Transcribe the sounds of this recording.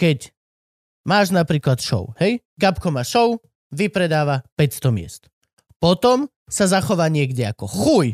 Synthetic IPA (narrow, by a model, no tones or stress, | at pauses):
kɛc | maːʒnapɾiːklat̪ʃɔ̰ʊhɛj | ɡapkɔmaʃɔʊ | ʋipɾɛd̪aːʋapɛcst̪ɔmɪɛ̰st̪ | pɔt̪ɔm | sazaxɔʋaːɲɪɛɡɟɛakɔxuj